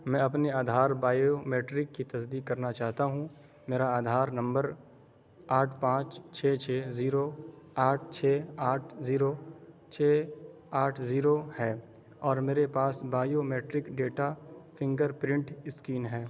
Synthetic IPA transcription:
mɛ̃ːɐpneaːd̪ʱaːɾbaːjomeːʈɾɪkːit̪ɐsd̪iːkːɐɾnat͡ʃaːɦt̪aɦũ | meːɾaaːd̪ʱaːɾnɐ̃mbəɾ | aːʈʰpãːt͡ʃt͡ʃʰeːt͡ʃʰeːziːɾo | aːʈʰt͡ʃʰeːaːʈʰziːɾo | t͡ʃʰeː | aːʈʰziːɾohɛː | ɔːɾmeːɾepaːsbaːjomeːʈɾɪkɖeːʈapʰɪ̃ŋɡəɾpɾɪ̃ɳʈɪskiːnɦɛː

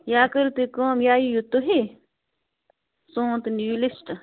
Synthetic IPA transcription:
jaːkɐɾt̪ekoːmjaːjijut̪oɦi | sõːt̪nuːlisʈ

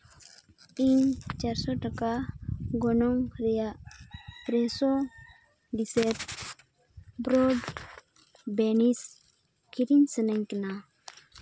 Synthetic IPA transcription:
iɲt͡ʃaɾsoʈakaɡonoŋɾija | t̪ɾeso | diset | bɾoɖ | benis | kiɾinsənaɲkina

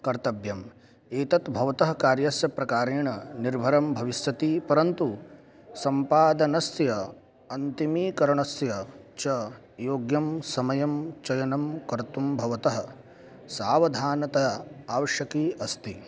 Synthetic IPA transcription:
kɐɾt̪ɐbjɐm | eːt̪ɐt̪bʱɐʋɐt̪ɐɦɐkaːɾjɐsjɐpɾɐkaːɾeːɳɐniɾbʱɐɾɐmbʱɐʋist̪ɐt̪ipɐɾɐnt̪u | sɐmpaːd̪ɐnɐsjɐ | ɐnt̪imiːkɐɾɐɳɐsjɐt͡ʃɐ | joːɡjɐmsɐmɐjɐmt͡ʃɐjɐnɐmkɐɾt̪umbʱɐʋɐt̪ɐɦɐ̆ | saːʋɐd̪ʱaːnɐt̪ɐaːʋɐʃjɐkiːʔɐst̪i

